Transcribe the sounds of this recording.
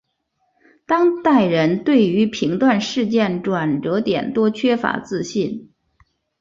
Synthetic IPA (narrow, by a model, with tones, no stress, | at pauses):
t̪ɑ˥ŋt̪a˥˩ɪɻə˧˥nt̪we˥˩ɪy˧˥pʰi˧˥ŋt̪wa˥˧nʂɻ̩˥˧t͡ɕjɛ˥˩nʈ͡ʂwa˨˩nʈ͡ʂɤ˧˥t̪jɛ̰˨˩nt̪wɔ˥t͡ɕʰɥɛ˥fa̰˧˥t͡sɹ̩˥˧ɕi˥˩n